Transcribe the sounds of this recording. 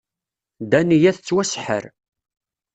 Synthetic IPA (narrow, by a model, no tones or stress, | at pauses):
d̪ænijæθt͡sːwæsħə̰ɾ